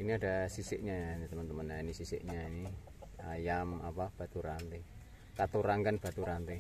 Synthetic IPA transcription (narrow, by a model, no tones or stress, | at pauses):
iniada̤sisɪʔɲant̪əmənt̪əmənjainisisɪ̰ʔɲaini | ajamapab̥a̤t̪uɾant̪e | kat̪uɾaŋkənb̥a̤t̪uɾant̪e